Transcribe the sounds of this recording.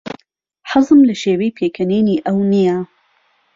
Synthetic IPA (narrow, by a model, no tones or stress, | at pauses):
ħɨzˤɨmlɐʃeːwejpʰeːkʰɐneːniːʔɐwnija